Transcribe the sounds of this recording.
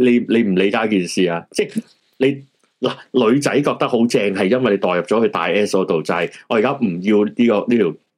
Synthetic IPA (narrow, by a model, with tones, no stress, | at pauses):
le˨˧jle˨˧jm̩˨˩le˨˧jkaː˨˥kiː˨nsiː˨aː˧t͡sɛː˥˩ | le˨˧j | laː˨˩lɵ˨˧ɥt͡sɐ˨˥jkɔː˧k̚t̪ɐ˥k̚ho˨˥wt͡sɛː˧ŋɦɐ˨jːɐ˥nwɐ˨jle˨˧jt̪ɔː˨jɐ˨p̚t͡sɔː˨˥hɵ˧t̪a̰ː˨jɛː˥so˨˥t̪o˨wt͡sa˨˧hɐ˨jʔɔː˨˧jkaː˥m̩˨˩jiː˧wniː˥kɔː˧niː˥t̪ʰiː˨˩